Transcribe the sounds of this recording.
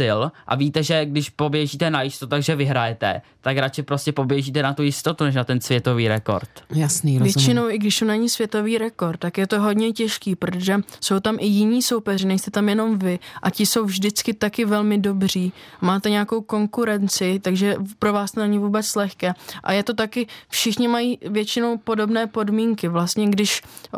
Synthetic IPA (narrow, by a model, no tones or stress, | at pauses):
ɪlʔa̰vit̪ɛʒɛɡdɪʃpobjɛʒiːt̪ɛnajɪst̪ot̪ut̪aɡʒɛvɪɦɾajɛt̪ɛ̰ | t̪akɾat͡ʃɪpɾo̞scʲɛpo̞bjɛʒiːt̪ɛnat̪ujɪst̪ot̪unɛʃ̬nat̪ɛnsvjɛt̪o̞viːɾɛko̞̰ɾt̪jasniɾvjɛt͡ʃɪno̞wʔɪɡdɪʃsonaɲɪsvjɛt̪o̞viːɾɛko̞ɾt̪ːakjɛt̪oɦo̞d̪ɲɛcɛʃkiːpɾot̪oʒɛso̞wt̪amʔɪjɪɲiːso̞wpɛrɪnɛjst̪ɛt̪amjɛno̞mvɪʔacɪso̞wvʒdɪt͡skɪt̪akɪvɛlmɪdo̞br̝iːmaːt̪ɛɲeako̞wko̞ŋkuɾɛnt͡sɪt̪aɡʒɛpɾo̞vaːst̪onɛɲɪvuːbɛt͡slɛxkɛːʔa̰jɛt̪o̞t̪akɪfʃɪxɲɪmajiːvjɛt͡ʃɪno̞wpodo̞bnɛːpo̞dmiŋkɪvlast̪ɲɛɡdɪʃ